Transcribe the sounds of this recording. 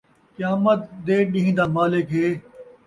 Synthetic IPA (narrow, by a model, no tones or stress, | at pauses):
kjaːmət̪̚d̪eːɗĩɦĩd̪aːmaːlɪkɦeː